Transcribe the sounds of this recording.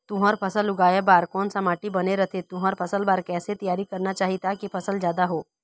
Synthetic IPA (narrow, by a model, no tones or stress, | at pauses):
t̪ʊɦaɾpʰɐsəlʊɡaːjabaːɾkɔːnsamaːʈibɐneɾɐt̪ʰet̪ʊɦəɾpʰɐsəlbaːɾkɛːset̪ɐjaːɾikɐɾnat͡ʃaːɦit̪akipʰɐsəlzjaːd̪aɦoː